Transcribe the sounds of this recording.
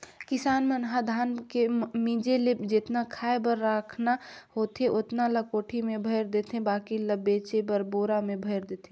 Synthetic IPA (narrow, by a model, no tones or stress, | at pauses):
kɪsaːnmənɦad̪ʱaːnkemĩːd͡ʒelepd͡ʒet̪nakʰaːebəɾːaːkʰnahoːt̪eʔʊt̪naləkoːʈʰimẽbʱəɪɾd̪eːt̪ʰẽbaːkiləbeːt͡ʃebəɾboːɾamẽbʱəɪɾd̪eːt̪ʰẽ